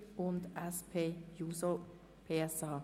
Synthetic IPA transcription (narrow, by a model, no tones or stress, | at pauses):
ʊnd̪ɛspʰeːjuːsə | pʰeːɛsɑː